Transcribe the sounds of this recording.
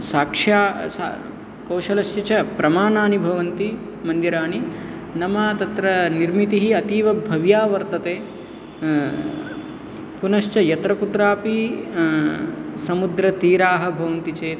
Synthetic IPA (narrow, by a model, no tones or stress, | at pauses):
saːkʂaːsa̰ | kɐwʃɐlɐsjɐt͡ʃɐpɾɐmaːnaːnibʱɐʋɐnt̪i | mɐnd̪jɐɾaːni | nɐmaːt̪ɐt̪ɾɐniɾmit̪iɦiɐt̪iːʋɐbʱɐʋjaːʋɐɾt̪ɐt̪eː | punɐʃt͡ʃɐjɐt̪ɾɐkut̪ɾaːpi | sɐmud̪ɾɐt̪iːɾaːɦɐ̆bʱɐʋɐnt̪it͡ʃeː